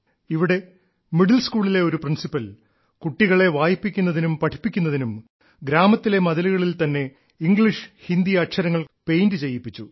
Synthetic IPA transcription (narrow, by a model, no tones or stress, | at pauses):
iʋiɽe̞ | miɽɨlskuːɭile̞o̞ɾuprinsipɐl | kuʈːiɣɐɭe̞ʋaːjipːikʲːunːɐðinumpɐʈʰi̥pːikʲːunːɐðinum | ɡɾaːmɐt̪ːile̞mɐðɐliɣɐɭilt̪ɐnːe̞ | iŋɡɭiʂɨ̥hind̪ijɐɐʈɕʰɐɾɐŋːɐɭpe̞jndɨt͡ɕe̞jːipːit͡ɕːu